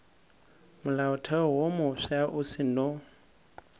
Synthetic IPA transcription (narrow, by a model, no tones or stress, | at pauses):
mʊlaʊtʰɛwomʊʃaʔʊsɪnɔ